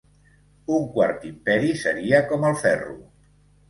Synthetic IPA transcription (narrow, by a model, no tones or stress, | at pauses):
uŋkwa̰ɾt̪impɛɾisəɾiəkɔməlˠfɛrṵ